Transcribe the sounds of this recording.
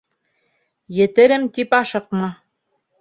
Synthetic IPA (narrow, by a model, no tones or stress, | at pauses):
jɘ̆t̪ɘ̆ɾɘmt̪ipɑʃɤ̆qmɤ